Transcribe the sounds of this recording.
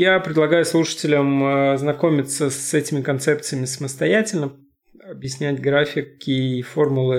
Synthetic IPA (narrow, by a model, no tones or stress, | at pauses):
japɾʲɪd̪lˠɐɡajʊslˠuʂə̥tʲɪlʲəməznɐko̞mʲɪt̪səsɛtʲɪmʲɪkɐnt̪sɛpt̪sɨjəmʲɪsəməst̪ɐjætʲɪlʲnə | ɐbjɪsʲnʲætʲɡɾafʲɪkɪfo̞rmʊlˠɨ